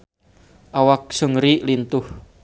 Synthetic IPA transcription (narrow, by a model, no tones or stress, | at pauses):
ʔawak̚səŋɾilint̪ʊh